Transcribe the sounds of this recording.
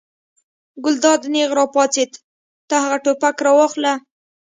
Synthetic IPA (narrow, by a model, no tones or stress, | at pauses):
ɡʊld̪ɑd̪neɣɾɑpɑt͡set̪ | t̪ahaɣaʈopakɾɑwɑxla